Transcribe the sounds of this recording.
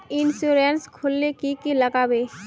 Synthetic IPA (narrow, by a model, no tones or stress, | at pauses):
ɪnsuɾenskʰʊlːekikiləkaːbe